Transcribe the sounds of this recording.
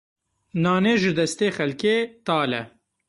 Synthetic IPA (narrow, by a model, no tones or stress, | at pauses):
naːneːʒɪd̪ɐst̪eːxɐlkeːt̪aːlɛ̰